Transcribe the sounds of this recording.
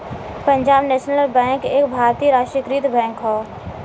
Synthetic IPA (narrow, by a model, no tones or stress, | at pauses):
pə̃ɲd͡ʒaːbnɛːʃnəlbɛ̃ːŋkeːkbʱaːɾt̪iːɾaːʃəkɾiːt̪bɛ̃ːŋkɦɔː